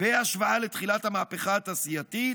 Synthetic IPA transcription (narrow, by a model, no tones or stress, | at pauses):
b̥eaʃvaale̞t̪χilathamaːpeχaːt̪asijat̪it̪